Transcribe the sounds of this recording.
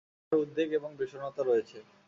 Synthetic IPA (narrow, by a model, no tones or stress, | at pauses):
ɾud̪ːeɡeboŋbiʃonɔt̪aɾojet͡ɕʰe